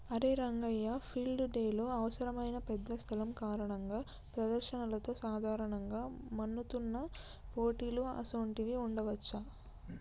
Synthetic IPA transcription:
ɐɾeːɾɐŋɡɐjːapʰilɖuɖeːloːɐʋɐsɐɾɐmɐjnɐpɛd̪ːɐst̪ʰɐlɐmkaːɾɐɳɐŋɡaː | pɾɐd̪ɐɾʃɐnɐlɐt̪o̞ːsaːd̪ʱaːɾɐɳɐŋɡaːmɐnːut̪unːɐ | po̞ːʈiːluɐ̰sɐːɳʈiʋiuɳɖɐʋɐt͡ʃːa

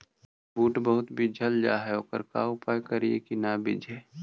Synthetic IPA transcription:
buːʈbəɦʊt̪bʱid͡ʒʱɐld͡ʒa̰ːɦɛoːkə̰ɾka̰ʊpaːjkɐɾiḛkinabɪ̰d͡ʒʱɛː

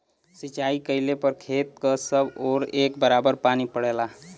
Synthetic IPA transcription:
sit͡ʃaikəɪlepəɾkʰeːt̪̚kəsəboːɾekbəɾabəɾpanipəɽela

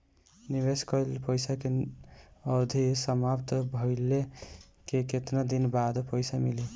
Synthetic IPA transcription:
niβeskəlpəjsake | ʌd̪ʱisəmapt̪bʱəɪle | keket̪nad̪inbad̪pəjsamili

